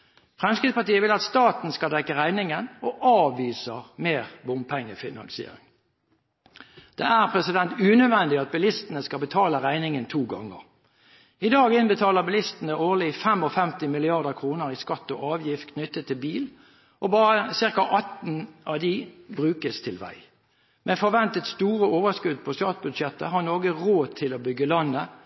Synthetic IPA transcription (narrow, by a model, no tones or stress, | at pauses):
fʁɛmskɪd̪spɑt̪iːəʋɪlɑt̪st̪ɑːt̪n̩skɑd̪ɛkːəʁæɪnɪŋənɔʔɑːʋiːsəʁmeːʁbʊmpʰɛŋːəfɪnɑ̰nsɪḛːɾɪ̰ŋ | d̪̥ɛːæʁpʰʁɛsɪd̪ɛnt̪ʉːnød̪ʋɛnd̪ɪɑt̪̚bɪlɪst̪ən̩əskɑbət̪ʰɑːləʁæɪnɪŋənt̪ʰuːɡɑŋːə̰ʁ | ɪd̪ɑːɡɪnbət̪ʰɑːləʁbɪlɪst̪n̩əʔoːʁlɪfɛmɔfɛmt̪ɪmɪlɪɑʁd̪əkʰʁuːnəʁɪskɑt̪ːɔʔɑːʋjɪft̪̚kʰnʏt̪ːət̪ʰːɪlbiːl | ʔɔbɑːʁəsɪʁkɑʔɑt̪n̩ɑʋd̪ɪbʁʉːkəst̪ʰɪlʋæ̰ɪ | mʔefɔʁʋɛnt̪ət̪st̪uːʁəoːʋəskʉd̪pʰɔst̪ɑːt̪̚bʉd̪ʃɛt̪ːə̰ɦɑʁnoːɡəʁoːt̪ʰɪlobʏɡːəlɑnːə